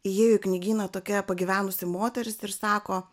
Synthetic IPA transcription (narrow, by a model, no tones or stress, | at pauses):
ɪjeːjʊɪknʲɪɡʲiːnɐt̪oːkʲɛpɐɡʲiʋʲæːnʊsʲɪmoːt̪ʲɛɾʲɪsɪɾsɑːkoː